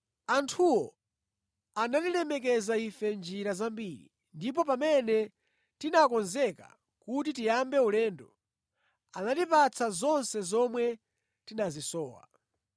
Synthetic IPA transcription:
antʰuwɔ | ananilɛmɛk̬ɛzaifɛnd͡ʒiɾazambiːɾḭ | ndip̬ɔpamɛnɛ | tinakɔnzɛka̰ | kut̬itijambɛulɛːndɔ | anatipat͡sʰazɔnsɛzɔmwɛ | tinazisɔːwa̰

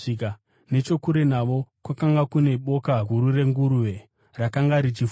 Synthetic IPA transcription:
ika | ne̞t͡ʃo̞kuɾe̞naʋo̞kwakaŋɡakune̞ɓo̞kaɡʱuɾure̞ŋɡuɾuʋe̞ | rakaŋɡaɾit͡ʃif

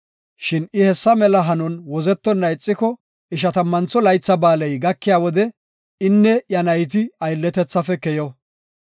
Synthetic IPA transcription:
ʃɪnɪhɛsːɐmɛlɐɦɐnɔnwɔzɛt̪ːɔnːɐjɪt͡sʼːɪkɔ | ʔɪʃ̬ɐt̪ɐmːɐnt͡sɔlɐjt͡sːɐbaːlɐjɡɐkːɪjaːwɔd̪ɛ | ɪnːɛjɐnɐjt̪̬ɪɐjlːɛt̪ɛt͡sːɐfɛkɛjɔ

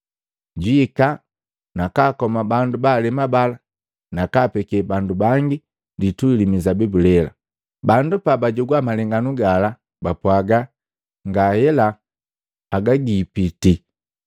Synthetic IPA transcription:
ɟwiːka | nakaːkɔmabandubaːlɛmabala | nakaːpɛkɛbandubaŋɡi | dituilimizabibulɛla̰ | bandupabaɟɔɡwamalɛŋɡanuɡala | bapwaɡa | ŋɡahɛlaː | ɡaɡipiti

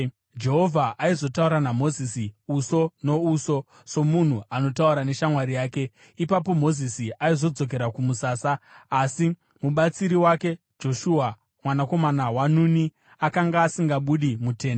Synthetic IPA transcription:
d͡ʒe̞ɦo̞vʱaʔaizo̞tauɾanamo̞zisiuso̞no̞uso̞ | so̞mun̤uano̞tauɾane̞ʃamwaɾijaːke̞ | ipapo̞mo̞zisiʔaizo̞d͡zo̞k̬e̞ɾakumusaːsaːsi | muɓat͡siɾiwake̞ | d͡ʒo̞ʃua | mwanako̞manawanuni | akaŋɡaːsiŋɡaɓuɗimute̞ːn

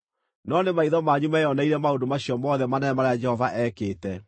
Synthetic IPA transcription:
nɔnemaiðɔmaɲumajɔnaiɾɛmaodomaɕiɔmɔðɛmanɛnɛmaɾajad͡ʒɛhɔvaʔɛkeːtɛ

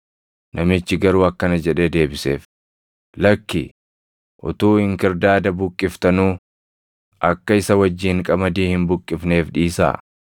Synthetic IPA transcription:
nʔɐmɪt͡ʃːɪɡɐɾuːɐkːɐnɐd͡ʒɛᶑeːd̪e̞ːbɪsḛːf | lɐkːɪ | ʔʊ̰t̪uːhɪŋkɪɾd̪aːd̪ɐbʊkʼːɪft̪ɐnuː | ʔɐkːɐɪsɐwɐd͡ʒːɪːŋkʼɐmɐd̪iːhɪmbʊkʼːɪfne̞ːfᶑiːsa̰ː

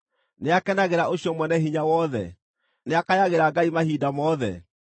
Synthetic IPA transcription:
neakɛnaɣeɾaʔoɕjɔmwɛnɛɦiɲawɔðɛ̰ | neakajaɣeɾaɡaimahidamɔðɛ̰

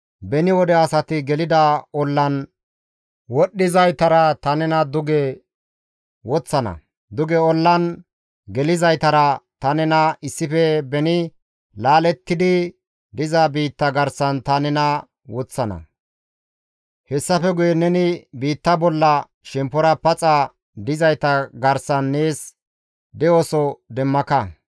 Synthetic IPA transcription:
bɛnɪwɔd̪ɛɐsɐt̪ɪɡɛlɪd̪ɐɔlːɐn | wɔɗːɪzɐjt̪ɐɾɐt̪ɐnɛnɐd̪ʊɡɛ | wɔt͡sːɐnɐ̰ | d̪ʊɡɛɔlːɐn | ɡɛlɪzɐjt̪ɐɾɐt̪ɐnɛnɐɪsːɪfɛbɛnɪ | laːlɛt̪ːɪd̪ɪ | d̪ɪzɐbiːt̪ːɐɡɐɾsɐnt̪ɐnɛnɐ | wɔt͡sːɐnɐ̰ | hɛsːɐfɛɡʊjɛnɛnɪbiːt̪ːɐbɔlːɐ | ʃɛmpɔɾɐpɐt͡sʼɐ | d̪ɪzɐjt̪ɐɡɐɾsɐnːe̞ːs | d̪ɛosɔd̪ɛmːɐkɐ

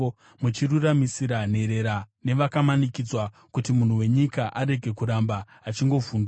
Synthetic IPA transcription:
mut͡ʃiruramisiɾan̤e̞ɾe̞ɾane̞ʋakamanikid͡zwa | kutimun̤uwe̞ɲikaʔaɾe̞ɡʱe̞kuɾambaː | t͡ʃiŋɡo̞vuːndu

